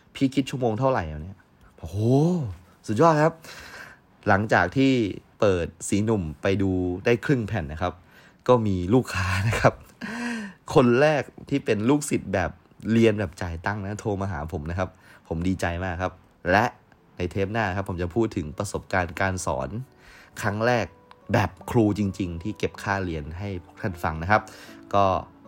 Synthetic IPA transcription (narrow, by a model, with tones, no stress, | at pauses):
pʰiː˥˩kʰi˦˥t̪̚t͡ɕʰu˥˩˨moː˧ŋt̪ʰa˥˩wɾa˨˩jɛː˨˩ni˦˥ɐ | oː˧˥ | su˨˩t̪̚jɔː˥˩t̚kʰa˦˥p̚ | la˩˦ŋt͡ɕaː˨˩k̚t̪ʰiː˥˩pɤː˨˩t̪̚siː˩˦nu˨˩mpa˧jduː˧daː˥˩jkʰɾɯ˥˩ŋpʰɛ˨˩nːa˦˥kʰa˦˥p̚ | kɔː˥˩miː˧luː˥˩kʰːaː˦˥na˦˥kʰa˦˥p̚ | kʰːo˧nɾɛː˥˩k̚t̪ʰiː˥˩pe˧nluː˥˩k̚si˨˩t̪̚bɛː˨˩p̚ | li˧ənbɛː˨˩p̚t͡ɕaː˨˩jt̪a˥˩ŋna˦˥t̪ʰoː˧maː˧ɦaː˩˦pʰo˩˦mna˦˥kʰa˦˥p̚ʰːo˩˦mdiː˧t͡ɕa˧jmaː˥˩kʰa˦˥p̚ | lɛ˦˥ʔ | na˧jt̪ʰeː˦˥p̚naː˥˩na˦kʰa˦˥pʰːo˩˦mt͡ɕa˨˩pʰuː˥˩t̪ʰːɯ˩˦ŋpɾa˧so˨˩p̚kaː˧nkaː˧nsɔ̰ː˩˦nʰ | ɾa˦˥ŋɾɛː˥˩k̚bɛː˨˩p̚kʰɾuː˧t͡ɕi˧ŋt͡ɕi˧ŋt̪ʰiː˥˩ke˨˩p̚kʰaː˥˩li˧ənɦa˥˩jpʰu˥˩k̚t̪ʰa˥˩nfa˧ŋna˦˥kʰa˦˥p̚kɔː˥˩